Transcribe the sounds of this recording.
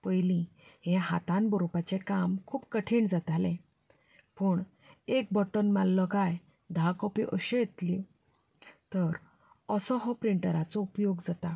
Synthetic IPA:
pəjlĩɦɛ̃ɦat̪ãnbɔɾupat͡ɕekamkʰuːpkəʈʰiɳd͡zat̪alẽ | pəɳ | ek̚bɔʈənmalːɔkaj | d̪ʱakɔpiʔəɕejet̪li | t̪əɾ | əsɔɦɔpɾiɳʈəɾat͡sɔupjoɡd͡zat̪a

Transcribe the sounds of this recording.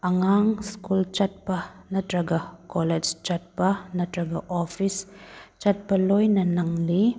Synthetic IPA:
ɐŋaŋskult͡ʃɐt̚pɐnɐtɾɐɡɐkoled͡ʒt͡ʃɐt̚pɐnɐtɾɐɡɐʔopʰist͡ʃɐt̚pɐlojnɐnɐŋli

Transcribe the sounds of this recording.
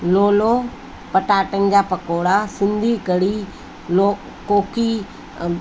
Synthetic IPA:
loːlo | pɐʈaːʈə̃ŋɡaːpɐkoːɽasɪ̃nd̪ʱikəɽi | lo | koːki

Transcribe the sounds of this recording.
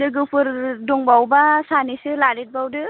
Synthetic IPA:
dɯɡɯpʰɯɾdɔŋbawbasanisɯlaɾit̚bawdɯ

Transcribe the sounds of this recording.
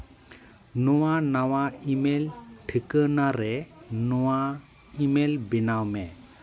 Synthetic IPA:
nɔwanawaimelʈʰikənaɾɛnɔwa | imelbinawmɛ

